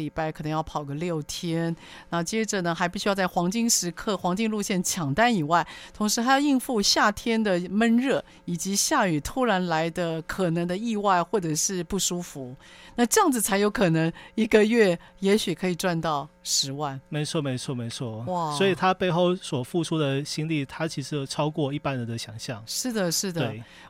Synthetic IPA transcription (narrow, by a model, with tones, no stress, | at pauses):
i˨˩pa˥˩ɪkʰɤ˨˩nɤ˧ŋjɑ˥˩ʊpʰɑ˨˩ʊɡə˧˦ljo˥˩ʊt̪ʰjɛ˥n | na˥˩t͡ɕjɛ˥ʈ͡ʂə˨nə˩xa˧˥ɪpu˥˩ɕy˥jɑ˥˧t͡sa˥˩ɪxwɑ˧˥ŋt͡ɕi˥ŋʂɻ̩˧˥kʰɤ˥˩xwɑ˧˥ŋt͡ɕi˥ŋlu˥˧ɕjɛ˥˩nt͡ɕʰjɑ˨˩ŋt̪a˥˩ni˨˩wa˥˩ɪt̪ʰʊ˧˥ŋʂɻ̩ʰ˧˥a˥jɑ˥˧i˥˧ŋfu˥˧ɕja˥˩t̪ʰjɛ˥nd̪ə˨mə˥˧nɻɤ˥˩ | i˨˩t͡ɕi˧˥ɕja˥˩y˨˩t̪ʰu˥ɻa˧˥nla˧˥ɪd̪ə˧kʰɤ˨˩nɤ˧˥ŋd̪ə˧i˥˧wa˥˧ɪxwɔ˥˩ʈ͡ʂɤ˨˩ʂɻ̩˥˧pu˥˩ʂu˥fu˧˥na˥˧ʈ͡ʂɤ˥˧jɑ˥˩ŋd͡zɹ̩˩t͡sʰa˧˥ɪjo˧˥ʊkʰɤ˨˩nɤ˧˥ŋi˧˥ɡə˧ɥɛ˥˩ | jɛ˧˥ɕy˨˩kʰɤ˧˥i˨˩ʈ͡ʂwa˥˧nt̪ɑ˥˩ʊʂɻ̩˧˥wa˥˩nme˧˥ɪt͡sʰwɔ˥me˧˥ɪt͡sʰwɔ˥˩me˧˥ɪt͡sʰwɔ˥˩wa˥˩swɔ˧˥i˨˩t̪ʰa˥pe˥˧ɪxo˥˩ʊswɔ˨˩fu˥˩ʈ͡ʂʰu˥d̪ə˨ɕi˥nli˥˩t̪ʰa˥t͡ɕʰi˧˥ʂɻ̩˧˥jo˨˩ʊʈ͡ʂʰɑ˥ʊkwɔ˥˧i˥˩pa˥˧nɻə˧˦nd̪ə˨ɕjɑ˨˩ŋɕjɑ˥˩ŋʂɻ̩˥˩d̪ə˩ʂɻ̩˥˩d̪əe˩